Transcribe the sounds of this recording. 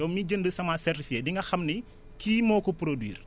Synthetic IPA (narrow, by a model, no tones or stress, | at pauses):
ɔmiɟəndəsɐmasɛrtifikediŋɡɐxɐmni | kiːmɔːkupɾodwḭːɾ